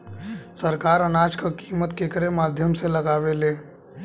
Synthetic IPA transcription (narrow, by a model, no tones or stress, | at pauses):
səɾkaːɾənaːd͡ʒkakiːmət̪kekəɾemaːd̪ʱjəmselɐɡaːʋeleː